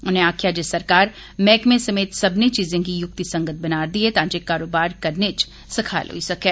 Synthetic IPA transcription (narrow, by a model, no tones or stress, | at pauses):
ʊnɦẽaːkʰjaːd͡ʒesɐɾkaːɾ | mɛːkmẽsɐmeːt̪sɐbnet͡ʃiːzẽk̬ijʊk̚t̪isɐ̃ŋɡət̪̚ʰbɐnaːɾd̪iet̪ãːt͡ʃekːaːɾoːbaːɾkɐɾnet͡ʃ | sɪkʰa̰ːlɦo̰isɐkeː